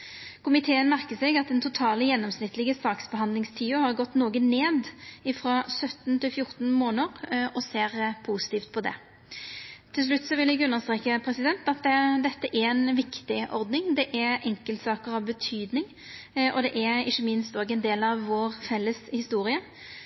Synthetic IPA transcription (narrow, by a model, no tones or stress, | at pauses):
kʰʊmɪt̪ʰeːənmæʁkəsɛɡɑt̪̚d̪ɛnt̪ʰʊt̪ʰɑːləjɛnːɔmsnɪt̪ːlɪɡəsɑːksbəhɑnd̪lɪŋst̪ʰiːʊhɑʁɡɔt̪ːnoːɡəneːd̪ɪfɾɑːsœt̪nt̪ʰɪlfjʊʁt̪n̩moːnəɾɔseːɾpʰusɪ̥t̪iːft̪̚pʰɔd̪ɛ̰ | t̪ʰɪls̬lʉt̪ːsɔʋɪlɛɡʉnːəʁst̪ɾeːkːəpʰɾɛsɪd̪ɛnt̪ɑt̪̚d̪ɛd̪ɛt̪ːəʔæɛnʋɪkt̪ɪʔɔ̰ɾd̪nɪŋd̪ɛʔæɛŋkəlt̪sɑːkəɾɑʋbət̪ʰyːd̪nɪŋ | ɔ̰d̪ɛʔɛɾɪçːəmɪnst̪oːɡɛnd̪eːlɑʋːoːʁfɛlːəshɪst̪uːɾɪə